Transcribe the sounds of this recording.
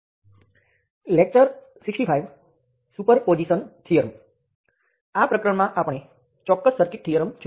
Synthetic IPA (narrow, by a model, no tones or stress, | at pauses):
lek̚t͡ʃəɾ | siksʈifʰajʋ | supəɾpod͡ʒisənʈʰijəɾəm | apɾəkɾəɳmãʔapɳ̃e | t͡ʃɔkːəsːəɾkiʈ̚ʰːijəɾəmt͡ʃʰ